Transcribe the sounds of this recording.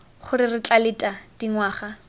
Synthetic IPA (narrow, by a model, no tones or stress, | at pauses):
χʊrɪrɪt͡ɬʼalɪtʼad̥iŋwaːχa